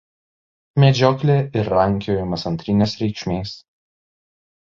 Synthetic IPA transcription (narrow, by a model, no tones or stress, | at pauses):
mʲɛd͡ʒʲɔklʲeːɪɾːɐŋʲkʲɪjoːjɪmɐsɐnʲt̪ʲɾʲɪnʲeːsɾʲɛɪkʃʲmʲeːs